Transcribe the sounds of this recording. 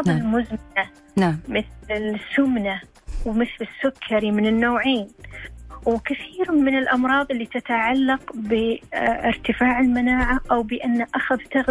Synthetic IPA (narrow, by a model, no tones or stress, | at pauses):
ðˤɪlmʊzmɪna | mɪθlɪlsːʊmna | wmɪθlɪsːʊkʰːaɾimɪnɪnːoːʕeːn | wkɪθiːɾmɪnɪlʔɑmɾˤɑːðˤɪlːit̪at̪aʕalːɑqbɪɪ̰ɾt̪ɪfaːʕɪlmanaːʕaʔawbɪʔanːaʔaxaðt̪aɣ